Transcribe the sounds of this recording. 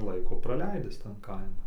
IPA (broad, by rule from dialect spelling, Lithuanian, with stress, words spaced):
ˈlˠɐɪkoː prɐˈlʲɛɪdʲɪs tɐn ˈkɐɪmɐn